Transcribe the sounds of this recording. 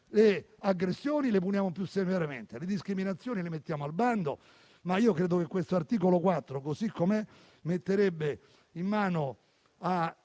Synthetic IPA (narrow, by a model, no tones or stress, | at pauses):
leaɡːɾesːjoːnilepunjaːmopjusːemeɾemḛnt̪eled̪iskɾiminat̪sːjoːnilemet̪ːjaːmoalband̪o̰ | maiːokɾeːd̪ok̟ekːwest̪oart̪iːkolokwat̪ːɾokosikːome | met̪ːeɾebːe | imːaːno | a